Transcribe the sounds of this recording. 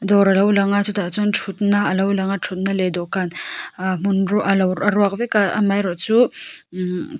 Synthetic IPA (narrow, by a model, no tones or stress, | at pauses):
d̪ɔɾɐlawlaŋat͡sut̪ʰat͡sunʈ͡ʂʰut̪naːlawlaŋaʈ͡ʂʰut̪̚naled̪ɔkanmunɾɔʔalawɾaɾwak̚bekaa̰majɾɔt͡su